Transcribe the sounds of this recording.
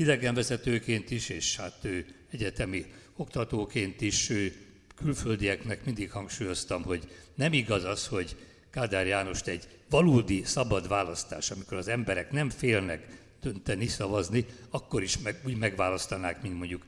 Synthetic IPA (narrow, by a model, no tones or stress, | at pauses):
id̪ɛɡɛɱvɛzɛt̪øːkeːnt̪iʃeːʃhat̪øː | ɛɟɛt̪ɛmi | o̞kt̪ɒt̪oːkeːnt̪iʃøː | kylføld̪ijɛknɛkmind̪ikhɒŋkʃuːjo̞st̪ɒmɦo̞ɟnɛmiɡɒzɒsho̞ɟ | kaːd̪aːrjaːno̞ʃt̪ɛɟ | ʋɒloːd̪isɒbɒd̪ʋaːlɒst̪a̰ːʃɒmiko̞ɾɒzɛmbɛɾɛknɛmfeːlnɛk | d̪̥ønt̪ɛnisɒvɒzniɒkːo̞ɾiʃɛuːɟmɛɡʋaːlɒst̪ɒnaːkmint̪mo̞ɲɟuk